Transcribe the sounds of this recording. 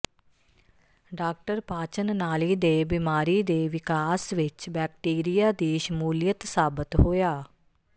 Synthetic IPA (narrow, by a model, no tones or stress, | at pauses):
ɖaːk̚ʈəɾpaːt͡ʃənnaːliːd̪eːbimaːɾiːd̪eːʋɪkaːsʋɪt͡ʃbɛːk̚ʈiːɾijaːd̪iːʃəmuːlijət̪saːbət̪ɦoːjaː